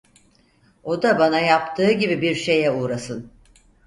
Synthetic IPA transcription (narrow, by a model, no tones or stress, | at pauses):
o̞d̪abanajap̚t̪ʰɯːɟibibiɾʃe̞jɛuːɾasɯn